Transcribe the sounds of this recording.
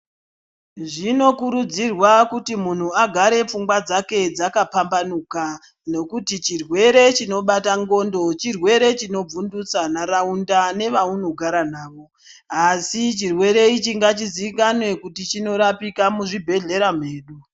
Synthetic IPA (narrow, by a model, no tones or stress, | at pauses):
ʐino̞kuɾud͡zirwakutimun̤uaɡʱaɾe̞p͡fuŋɡwad͡zake̞d͡zakapambanuːka | no̞kutit͡ʃirwe̞ɾe̞t͡ʃino̞ɓataŋɡo̞ndo̞t͡ʃirwe̞ɾe̞t͡ʃino̞b͡vundut͡sanaɾaundane̞ʋauno̞ɡʱaɾanaːʋo̞ | asit͡ʃirwe̞ɾe̞it͡ʃiŋɡat͡ʃiziikanwe̞kutit͡ʃino̞ɾapikamuʐibʱe̞ɮe̞ɾam̤eːɗu